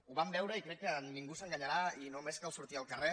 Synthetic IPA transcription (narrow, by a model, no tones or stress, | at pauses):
uβambewɾejkɾekeanniŋɡuseŋɡaɲaɾainomeskawsuɾt̪ialkare